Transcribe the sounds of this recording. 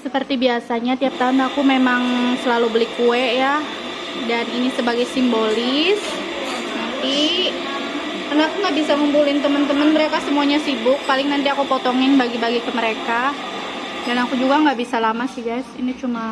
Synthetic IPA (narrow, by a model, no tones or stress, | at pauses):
səpərt̪ibiasaɲat̪iap̚t̪aʊnakumemaŋsəlalubəlɪk̚uɛʔja | daninisəbaɡajsimbolɪs | nant̪i | karnaakuŋɡaʔbisaməmpulɪnt̪əmənt̪əmənməɾekasəmuaɲasibʊk̚palɪŋnant̪iakupɔt̪ɔŋɪnbaɡibaɡikəməɾeka | danakud͡ʒuɡaŋɡaʔbisalamasɪhɡajsinit͡ʃuma